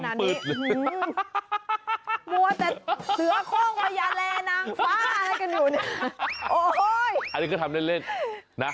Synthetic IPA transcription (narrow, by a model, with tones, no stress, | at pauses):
na˧pɯː˨˩t̪̚ː | mu˧˩ət̪ɛː˨˩lɯ˨˦ɐkʰoː˥˩ŋpa˧ja˧˩lɛː˧naː˨˧˩ŋfaː˦˥a˧la˧jka˧njuː˨˩nɯ˧˩ʔoː˧˩˧jʔa˧nːi˧kʰɯ˥˩t̪ʰa˧mle˥˩nle˥˩n | na˦˥